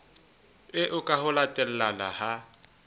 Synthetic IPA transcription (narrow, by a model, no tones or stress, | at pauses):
ɪʔʊkʼaɦʊlatʼɛl̩lala̰ha